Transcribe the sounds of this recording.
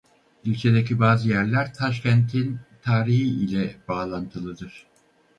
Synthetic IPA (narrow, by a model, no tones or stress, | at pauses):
ylʲt͡ʃʰe̞d̪ecibaːzɯjæɾlʲæɾt̪ʰaʃ̬cʰɛnt̪ʰint̪ʰaːɾihiilʲɛbaːlˠant̪ʰɯlˠɯd̪ɯɾ̥